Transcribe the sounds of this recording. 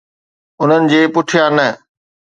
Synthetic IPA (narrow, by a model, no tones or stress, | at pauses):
ʊn̤ənɪ̆d͡ʑeːpʊʈʰijãnɐ